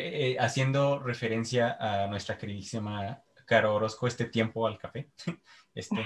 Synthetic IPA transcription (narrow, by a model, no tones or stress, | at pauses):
easje̞nd̪o̞re̞fe̞ɾe̞nsjaʔanwe̞st̪ɾake̞ɾiðisima | kaɾoɾo̞skoest̪e̞t̪je̞mpo̞alkafe̞ | est̪e